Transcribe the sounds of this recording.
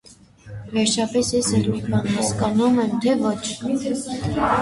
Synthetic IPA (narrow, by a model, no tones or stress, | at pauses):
vɛɾt͡ʃʰɑpɛsjɛsɛlut̪bɑnhɑskɑnumɛmt̪ʰɛvɔt͡ʃʰ